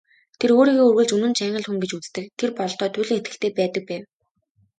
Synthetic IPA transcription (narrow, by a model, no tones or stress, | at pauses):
t̪ʰeroːɾiːɣoːurɣɘ̆ɮt͡ɕɵnɘ̆nt͡ɕæːŋə̆ɮxuŋɡet͡ɕut͡st̪ɘ̆kt̪ʰerpɔɮt̪œːt̪ʰʊːɮɘ̆ŋet̪ɡɘ̆ɬt̪ʰeːpæːt̪ə̆k̚pæːw